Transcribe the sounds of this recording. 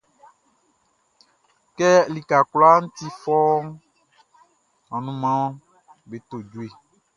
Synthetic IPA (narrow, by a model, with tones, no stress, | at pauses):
kɛ˦li˨ka˨kla˦ñ̩˦t̪i˦fɔ˦ | ɔ̃˨nũ˦mã˦wɔ̃˦ | be˨t̪o˨d͡ʒu˨˦e˨